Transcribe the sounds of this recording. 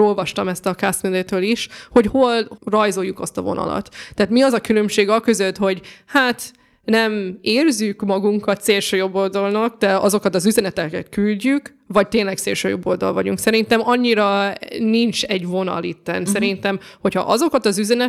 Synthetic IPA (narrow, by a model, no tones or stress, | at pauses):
o̞lvɒʃt̪ɒmɛst̪ɒkaːsmed̪eːt̪øːliʃho̞cho̞lrɒjzo̞jːukɒst̪ɒvo̞̰nʔɒ̰lɒ̰t̪ːaːt̪miɒzɒkylø̞mʃeːɡɒkø̞zøt̪ho̞ɟhaːt̪ | nɛmeːrzykmɒɡuŋkɒt̪seːlʃøːjo̞bːo̞ld̪ɒlnɒkd̪̥ɛɒzo̞kɒt̪ɒzyzɛnɛt̪ɛkɛt̪kylɟyk | vɒc̚t̪eːnlɛkt̪seːlʃø̰ːjo̞̰bːo̞̰ld̪ɒ̰lvɒɟṵŋksɛɾint̪ɛmɒɲːiɾɒnint͡ʃɛɟvo̞nɒ̰lit̪ːɛ̰nsɛɾint̪ɛmho̞chɒ̰ʔɒzo̞kɒt̪ɒzyzɛnɛ